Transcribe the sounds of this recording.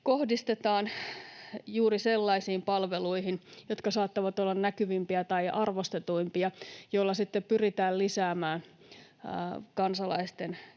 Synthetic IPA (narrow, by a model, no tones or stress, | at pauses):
kohdist̪et̪ɑːn | juːɾiselːɑisiːmpɑlʋeluiɦinjot̪kɑsɑːt̪ːɑʋɑt̪olːɑnnækyʋimpiæt̪ɑiʔɑrʋost̪et̪uimpiɑjoilːɑsit̪ːepyrit̪æːllisæːmæːn | kɑnsɑlɑ̰ist̪en